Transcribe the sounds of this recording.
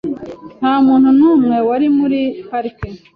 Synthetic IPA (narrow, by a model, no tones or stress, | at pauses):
n̥haːmuːn̥hunuːmŋe̞waɾimuɾihaɾiki